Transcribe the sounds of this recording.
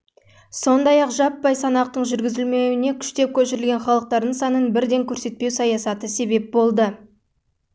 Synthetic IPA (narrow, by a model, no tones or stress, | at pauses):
so̞nd̪ɑjɑqʒɑpːɑjsɑnɑq̚t̪əɴʒʏɾɡʲɪzɪlme̞wɪne̞kʲʰʏ̥ʃt̪e̞p̚kʲʰɵʃɪɾɪlɡʲe̞nχɑlˠəq̚t̪ɑɾd̪əɴsɑnənbɪɾd̪e̞ŋkʲʰɵɾse̞t̪̚pe̞wsɑjɑsɑt̪əse̞be̞p̚bo̞lˠd̪ə